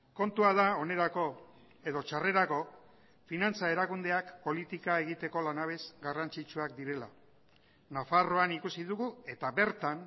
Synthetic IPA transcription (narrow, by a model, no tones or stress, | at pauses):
ko̞nt̪uað̞ao̞ne̞ɾako̞ | e̞ðo̞t͡ʃare̞ɾako̞ | finant͡sae̞ɾakund̪e̞akpo̞lit̪ikae̞ɣit̪e̞ko̞lanaβ̞e̞sɡarant͡ʃit͡ʃuak̚d̪iɾe̞la | nafaro̞anikusiðuɣue̞t̪aβe̞ɾt̪an